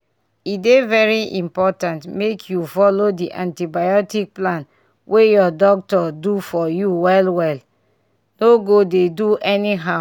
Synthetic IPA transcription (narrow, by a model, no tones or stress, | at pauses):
idevɛɹiʔĩmpɔtãntmekʰjufɔlodiʔãntibajɔtik̚plãn | wʔejɔdɔk̚tɔdufɔjuwɛlwɛl | noɡodeduʔɛniɦa